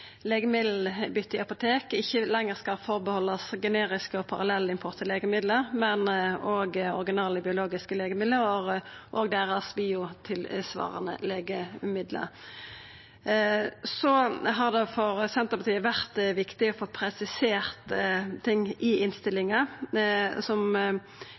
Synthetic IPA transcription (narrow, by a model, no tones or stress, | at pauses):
leːɡəmɪd̪l̩bʏt̪ːɪɑpʊt̪ʰeːkɪçːəlɛŋːəʁskɑfɔʁbəhɔlːɑsɡɛneːʁɪskəɔpʰɑʁɑlɛlːəɪmpʰʊʁt̪ʰəleːɡəmɪd̪ləʁmɛnɔːɡɔ̰ʁɡɪnɑːləbɪʊloːɡɪskəleːɡəmɪd̪ləʁɔʁʔɔːɡd̪ɛːʁɑsbiːʊt̪ʰɪlsʋɑ̰ːʁə̰nə̰leːɡəmɪd̪lə̰ʁ | sɔɦɑʁd̪ɛfɔʁsɛnt̪əɾpɑt̪iːəʋæʁt̪ʋɪkt̪ɪɔfoːpʰɾɛsɪseːʁt̪t̪ʰɪŋːɪɪnst̪ɪlɪŋɑ | sɔm